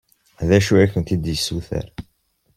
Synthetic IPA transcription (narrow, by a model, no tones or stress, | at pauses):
ðæʃuæçənt̪id̪jəsːuθə̰ɾ